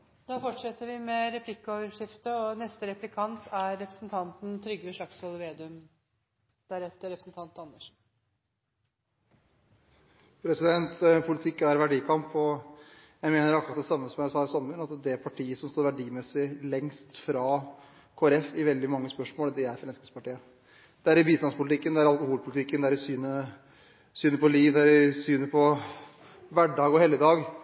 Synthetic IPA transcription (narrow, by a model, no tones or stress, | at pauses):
d̪̥ɑːfɔʈʂɛt̪ːəɾʋɪmɛɾɛpʰlɪkːɔʋəʂɪft̪əɔnɛst̪əɾɛplɪkʰɑnt̪ʰæɾːɛpɾəsnt̪ʰɑnt̪n̩t̪ʰɾʏɡːəʋəʂɭɑksɑlʋeːd̪ʉm | d̪̥æɾɛt̪ːəɾɛpɾəsn̩t̪ʰɑnt̪ɑnːəʂ | pʰɾɛsɪd̪ɛnt̪pʰʊlɪt̪ʰɪkːæɾʋæɖiːkʰɑmpɔ | jæɪmeːnəɾɑkɾɑt̪̚d̪ɛsɑmːəsɔmjæsɑːɪsɑmfʉnɑt̪d̪ɛpʰɑʈʰiːəsɔmst̪uːɾʋæɖiːmɛsɪlɛŋst̪fɾɑː | kʰoːæɾɛfɪʋɛld̪ɪmɑŋːəspœʂmoːld̪ɛæɾfɾɛnskəspʰɑʈiːə | d̪̥ɛæɾɪbiːst̪ɑnspʊlt̪ɪkːənd̪ɛæɾɑlˠkʊhuːlpʰʊlɪt̪ʰɪkːənd̪ɛæɾɪsyːnə | syːnəɾpɔliːʋd̪ɛæɾɪsyːnəpʰɔ | ʋæɖɑːɡɔhɛlːəd̪ɑːɡ